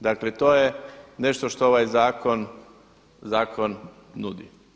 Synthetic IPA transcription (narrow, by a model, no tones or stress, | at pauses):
d̪aklet̪o̞ːjene̞ʃt̪oʃt̪ooʋajzaːkon | zaːkʰonː | ud̪ḭ